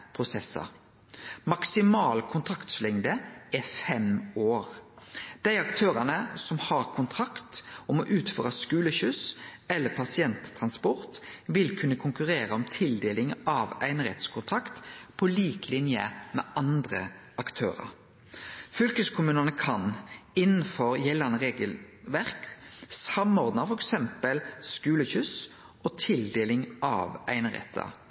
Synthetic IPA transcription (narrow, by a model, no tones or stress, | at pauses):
pʰʁʊsɛsːɑ̰ | mɑksɪmɑːlkʰʊnt̪ʰɾɑkt̪slɪŋd̪əɛfɛmoːʁd̪̥æɪɑkt̪ʰøːʁɑnəsɔmhɑʁkʰʊnt̪ʰɾɑkt̪ɔmɔʔʉːt̪føːɾɑskʉːləçʉsɛlːəpʰɑsɪɛnt̪ʰːʁɑnspɔʁt̪ʋɪlkʰʉnːəkʰʊŋkʉʁeːɾəɔmt̪ʰɪld̪eːlɪŋɑʋæɪnəʁɛ̰t̪skʰʊnt̪ʰɑkt̪pʰɔliːklɪnjə̰mɛːɑnd̪ʁə | ɑkt̪ʰø̰ːʁɑ̰ɾ | fʏlkəskʰʊmʉːnɑnəkʰɑnɪnn̩fɔʁjɛlːɑnəʁeːɡəlʋæʁksɑmɔʁd̪nɑfɔɾɛksɛmpəlskʉːləçʉs | ʔɔːt̪ʰɪld̪eːlɪŋɑ̰ːʋæɪnəʁɛ̰t̪ʰːɑ̰